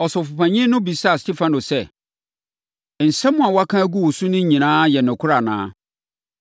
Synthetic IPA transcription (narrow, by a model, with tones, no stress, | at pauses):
ɔ˨sʊ˨fʊ˨pʰã˨ɲɪ̃˦nʊ̃˦bi˨sa˦a˦˨sti˦fã˦nʊ˨sɛ˦˨ | n̩˨sɛ˦mʊ̃˦a˨wa˦kʰã˦æ˦ɡu˦wɔ˨su˦nʊ̃˦ɲ̩˦ɲĩ˨nãː˦jɛ˨nʊ̃˨kʰʊ˦ɾa˨nã̰ː˦